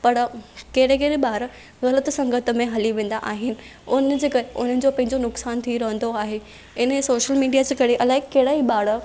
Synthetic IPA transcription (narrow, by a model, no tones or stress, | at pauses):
pɐɾkɐɦɪɽekeːɾeɓaːɾ | ɣɐlət̪sɐ̃ŋɡʱət̪ə̆mẽɦɐliʋẽːn̆d̪aʔaːɦɪnɪ̆ʊnd͡ʑeːkɐɾeʔʊ̰n̤ənɪ̆d͡ʑopɐ̃ɦɪ̃ɲd͡ʑonʊksaːnt̪ʰiɾɐɦə̃nd̪oaːɦe | ɪnsoːʃəlmiːɖijad͡ʑeːkɐɾeʔɐlaːekɐɦɪɽaːiɓaːɽə